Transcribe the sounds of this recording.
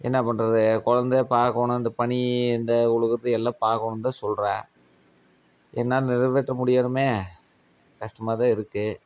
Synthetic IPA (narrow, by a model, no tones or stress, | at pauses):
ʔɛ̰nːɐpːɐnɾɐðɯkɔɻɐnd̪epaːɾkoːɳʊ̃ɐnd̪ɐpɐɳiɛnd̪ɐʊɻɯɣɯɾɐðɯɛlːaːpaːɾkoɳɯmt̪ãːsɔlɾã̰ː | ɛnːaːlnɪɾɐʋeːʈrɐmʊɽɪjaːɳɯmeː | kɐʂʈɐmaːt̪ãːɪɾɯkːɯ